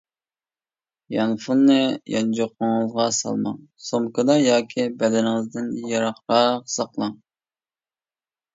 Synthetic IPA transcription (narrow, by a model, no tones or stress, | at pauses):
jɑnfunːɨjɑnd͡ʒoqʰːʊŋɨzʁɑsɑ̰lˠmɑ̰ŋsomkɑd̪ɑjɑːkʲʰibɛd̪ɛnɪŋɨzd̪ɪnjɑɾɑχɾɑqsɑqlˠɑŋ